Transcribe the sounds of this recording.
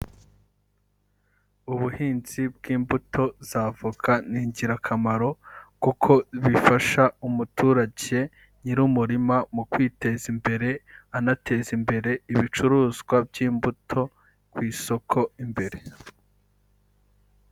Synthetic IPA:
uβuhiːnz̥ib̚ɡiːmbutʰo̞zaːvukʰaniːɲɟiɾakʰamaɾo̞kukʰo̞βifaʃaumutʰuːɾaɟe̞ | ɲiɾumuɾimamukwiːte̞zimbe̞ɾe̞anatʰe̞zimbe̞ɾe̞iβit͡ʃuɾuːzɡwabjiːmbutʰo̞ | kwiːso̞kʰo̞imbe̞ɾe̞

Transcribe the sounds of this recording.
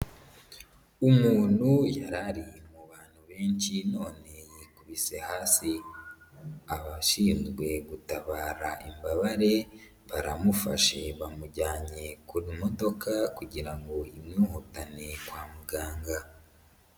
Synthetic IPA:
umuːn̥hujaɾaɾimuβaːn̥huβe̞ːɲt͡ʃino̞ːne̞jikuβise̞haːsi | aβaʃiːnzɡwe̞ɡutaβaːɾaʔimbaβaɾe̞ | βaɾamufa̰ʃe̞βamuɟaːɲe̞kuɾimo̞do̞kakuɟiɾaŋɡo̞imɲuːhutane̞kwaːmuɡaːŋɡa

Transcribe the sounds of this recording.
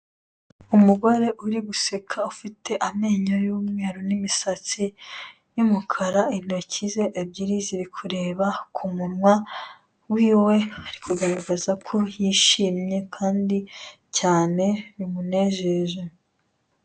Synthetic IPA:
umuɡo̞ɾe̞ʔuɾiɡusekʰaufitʰe̞ʔame̞ːɲojuːmŋe̞ːɾonimisat͡si | jumukʰaɾain̥ocize̞ʔebɟiɾiziβikʰuɾe̞ːβakʰumuɾŋwa | wiːwe̞aɾikuɡaɾaɡazakʰo̞jiːʃiːmɲe̞kʰaːndi | caːne̞ɾimune̞ʒeʒe

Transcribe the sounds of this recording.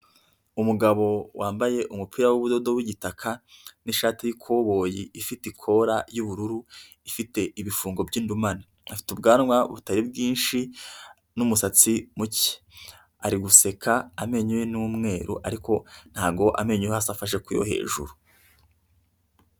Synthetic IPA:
umuɡaβo̞wʔaːmbaje̞ʔumupʰiːɾawuβudo̞do̞wiɟitakʰaniʃaːtijikʰoβo̞ːjiifitikʰo̞ɾajuβuɾuɾu | ifite̞ʔiβifuːŋɡo̞bɟiːndumana | afi̥tubɡaːnŋwa̰βutaɾibɡiːnʃi | numusat͡simuci̥ | aɾiɡuse̞kʰaːme̞ɲujenumŋe̞ːɾṵʔaɾiko̞n̥haːɡo̞ʔa̰me̞ɲujehasafaʃ̬e̞kujo̰he̞̰ːʒṵɾu

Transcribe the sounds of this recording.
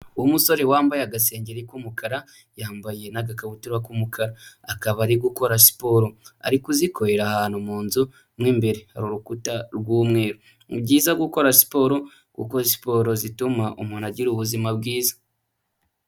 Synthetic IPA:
uwumuso̞ɾewaːmbajaɡase̞ːɲɟeɾikumukʰaɾa | jaːmbaje̞naɡakaβutuɾakumukʰaɾaːkaβaɾiɡuko̞ɾasi̥po̞ɾo̞a̰ɾikuzikʰo̞ɾe̞ɾahaːnhumuːnzu | mŋiːmbe̞ɾeha̰ɾuɾukutaɾɡuːmŋe̞ːɾo | ubɟiːzaɡuko̞ɾasi̥po̞ːɾo̞ | kṵko̞si̥po̞ːɾo̞zitumaʔṵmunaɟiɾuβuzimabɡiːzḁ

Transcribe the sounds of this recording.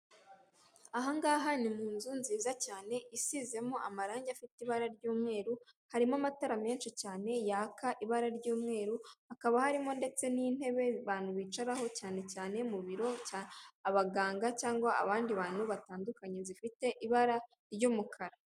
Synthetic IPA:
aɦaŋɡaːɦanimuːnzunziːzacaːne̞ʔisize̞mo̞amaɾaːɲɟafitiβaɾaɾɟuːmŋe̞ːɾuhaɾimamataɾame̞ːnʃicaːne̞jaakʰaʔiβaɾaɾɟuːmŋe̞ːɾuhakaβahaɾimo̞nde̞t͡se̞niːn̥e̞βe̞βaːn̥uβiːt͡ʃaɾaho̞caːne̞caːne̞muβiɾo̞caaβaɡaːŋɡacaːŋɡwaa̰βaːndiβaːn̥huβataːndukaɲe̞zifite̞ʔiβaɾa | ɾɟumukʰaɾa

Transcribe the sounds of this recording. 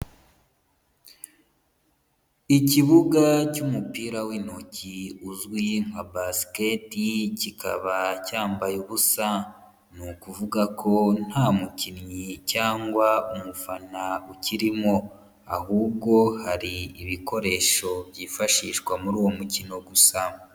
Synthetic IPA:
iciβuɡacumupiːɾawinociuzɡwiŋ̥abasi̥keticika̰βacaːmbajuβusa | nukuvuɡakʰo̞n̥haːmucinɲicaːŋɡwaumufanauciɾimo̞ | a̰huːb̚ɡo̞haɾiːβiko̞ɾe̞ːʃo̞bɟiːfaʃiːʃkwamuɾuːwo̞mucino̞ɡusa

